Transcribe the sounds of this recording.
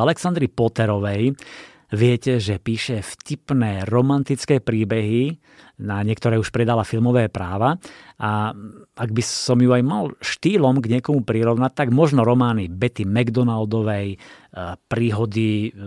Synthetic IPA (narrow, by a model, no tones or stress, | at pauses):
alɛksand̪ɾipɔt̪ɛɾɔʋɛj | ʋɪɛcɛʒɛpiːʃɛfcipnɛːɾɔmant̪it͡skɛːpɾiːbɛɦi | naɲɪɛkt̪ɔɾɛːuʃpɾɛd̪alafilmɔʋɛːpɾaːʋaʔa | aɡ̚bisɔmjuajmalʃt̪iːlɔmɡɲɪɛkɔmupɾiɾɔʋnac̚t̪aɡmɔʒnɔɾɔmaːnibɛt̪imɛɡd̪ɔnald̪ɔʋɛj | pɾiːɦɔd̪i